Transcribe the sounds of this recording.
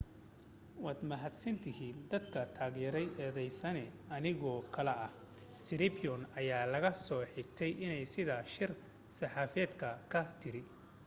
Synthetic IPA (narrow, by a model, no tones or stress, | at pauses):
wɑːd̪mɐɦɐd̪sɐnt̪ʰɪhiːnd̪ɐd̪kʰɐt̪ʰaːɣjɛɾɛjɛːðɛjsɐnɛ | ɐnɪɣɔːkʰɐlɛʔɐh | sɪɾɪpʰɪɔnɐjaːlɐɣɐsɔːħɪɡ̚t̪ʰɛjʔɪnɛjsɪðaʃɪr | sɐħɑːfɛːd̪kʰɐkʰɐt̪ʰɪɾɪ